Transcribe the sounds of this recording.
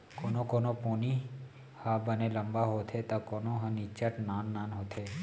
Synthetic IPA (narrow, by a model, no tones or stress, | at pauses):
konokonoponi | habəneləmbaɦot̪ʰet̪akonoɦãnit͡ʃəʈnanːanɦot̪ʰe